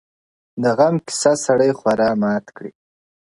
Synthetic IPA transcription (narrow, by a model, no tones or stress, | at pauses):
d̪əɣamkɪ̥sasaɽəjxwaɾɑmɑt̪kɽi